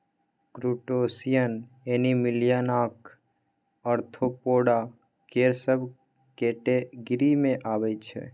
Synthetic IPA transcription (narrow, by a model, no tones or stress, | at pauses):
kɾuːʈoːsijən | eːnimɪlijanaːk | əɾt̪ʰopoːɽa | keːɾsəb | keːʈeɡɪɾimẽʔaːʋəit͡ʃʰɛ̰